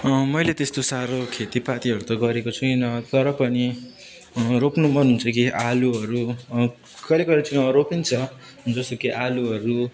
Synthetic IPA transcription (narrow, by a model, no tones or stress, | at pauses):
ʌmʌjlet̪est̪osaɾokʰet̪ipat̪iɦʌɾut̪ʌɡʌɾekot͡sʰukinʌt̪ʌɾʌpʌni | ropnumʌnuɦnt͡sʰʌkiʔaluʌɾu | kʌlekʌɾet͡siʌɾopint͡sʰʌ | d͡zʌst̪okeʔaluɦʌɾu